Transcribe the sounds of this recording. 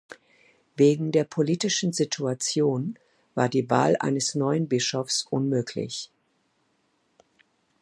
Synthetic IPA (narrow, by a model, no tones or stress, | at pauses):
veːɡŋ̩deːɐpʰoliːtɪʃn̩zɪtʰuat͡sjoːn | vaːɐdiːva̰ːlʔa̰ɪnəsnɔʏənbɪʃɔfsʔʊnmøːkʰlɪ̰ç